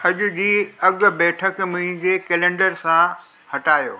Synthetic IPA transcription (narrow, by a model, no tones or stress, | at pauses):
ɐʄʊ̆d͡ʑiːɐɠbɛːʈʰəkmʊ̃ɦɪ̃ɲd͡ʑekeːlẽːɳɖəɾsã | hɐʈaːjo̰ː